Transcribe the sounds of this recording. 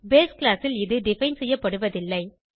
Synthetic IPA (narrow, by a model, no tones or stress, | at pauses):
beːsklaːsɪlɪðɯɖɪfɐɪnsɛjːɐpːɐɽɯʋɐðɪlːɐɪ